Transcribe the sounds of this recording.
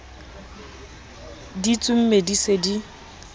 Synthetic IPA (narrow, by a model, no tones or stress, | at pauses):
dit͡sʼʊm̩medisedi